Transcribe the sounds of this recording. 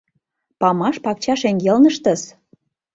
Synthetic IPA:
pɑmɑʃpɑk̚t͡ɕɑʃeŋɡelnə̆ʃt̪ə̆s

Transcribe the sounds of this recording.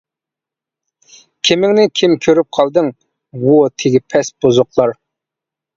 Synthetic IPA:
kʲʰimɪŋnɪkʲʰimkʲʰøɾyp̚qʰɑlˠd̪ɨŋ | wut̪ʰeɡʲipʰɛsb̥ozʊqlˠɑɾ

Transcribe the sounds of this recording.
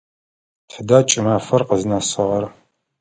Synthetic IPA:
tʰədaːt͡ʃʼɪmaːfɐrqəznasɨʁɐr

